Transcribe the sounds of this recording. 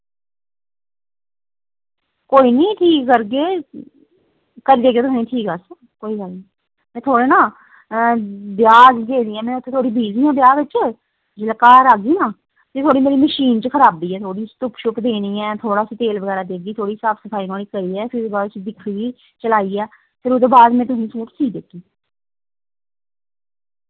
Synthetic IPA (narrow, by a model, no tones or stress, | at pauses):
koːiːnĩːʈʰiːkːəɾɡeː | kəɾiːd̪eːɡeːt̪ʰosnẽĩːʈʰiːkəs | koːiːɡəlnĩ | mɛ̃ːt̪ʰoːɽeːnaː | bjaːɡɡ̪eːniːɛ̃ːmɛ̃ːʊt̪ʰeːt̪ʰoːɽiːbʱiːziːãːbjaːɪt͡ʃ | d͡ʒəlkaːɾaːɡiːnãː | t̪et̪ʰoːɽiːmeːɾiːməʃiːnt͡ʃəkʰəɾaːbd̪iːɛːt̪ʰoːɽiːst̪ʊpʃʊpd̪eːniːɛːt̪ʰoːɽaːsĩːt̪eːlʋəɣɛːɾaːd̪eːɡiːt̪ʰoːɽiːsaːpʰsəpʰaːiːnaːliːkəɾiːɛːpʰɪɾd̪ebaːd̪t͡ʃd̪ɪkʰːɡiː | t͡ʃəlaːiːɛː | pʰɪɾʊd̪eːbaːd̪mɛ̃ːt̪ʊsĩːsuːʈsiːd̪eːkiː